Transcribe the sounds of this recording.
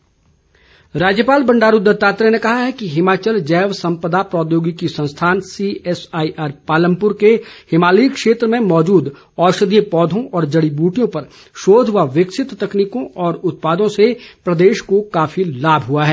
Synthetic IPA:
ɾaːd͡ʒjəpaːlbɐ̃ɳɖaːɾud̪əɾt̪aːt̪ɾenekɐɦaɦɛkiɦɪmaːt͡ʃəld͡ʒɛːʋsɐ̃mpəd̪apɾɔːd̪joːɡikisɐ̃nst̪ʰaːnsiɛsaːiʔaːɾpaːlə̃mpʊɾkehɪmaːliːkʃeːt̪ɾəmẽmɔːd͡ʒuːd̪ | ɔːʃəd̪ijəpɔːd̪ʱõʔɔːɾd͡ʒɐɽibuːʈijõpɐɾ | ʃoːd̪ʱɦʊaʋɪksɪt̪t̪ɐkniːkõʔɔːɾʊt̪̚paːd̪õsepɾɐd̪eːʃkokaːfilaːbʱɦʊaɦɛː

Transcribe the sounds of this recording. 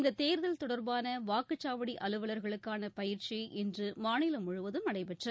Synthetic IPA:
nd̪ɐt̪eːɾðɐlt̪ɔɽɐɾbaːnɐʋaːkɯt͡ʃːaːʋɐɽiʔɐlɯʋɐlɐɾɣɐɭɯkːaːnɐpɐjɪɾt͡ʃiʔɛndrɯmaːnɪlɐmʊɻɯʋɐðɯmɐɽɐɪpɛʈrɐ

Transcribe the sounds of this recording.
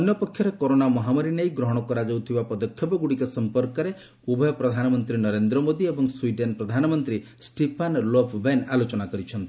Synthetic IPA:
ɔnjɔpɔkʰːjɔɾekɔɾonamɔɦamɔɾinajɡɾɔɦɔɽ̃ɔkɔɾad͡ʒowt̪ʰibapɔd̪ɔkʰjɔpɔɡuɽikɔsɔmpɔɾkɔɾe | ubʱɔjɔpɾɔd̪ʱanɔmɔnt̪ɾinɔɾend̪ɾɔmod̪iebɔŋswiɖenpɾɔd̪ʱanɔmɔnt̪ɾi | sʈepʰanlɔpʰbenalot͡ʃɔnakɔɾit͡ʃʰɔnt̪i

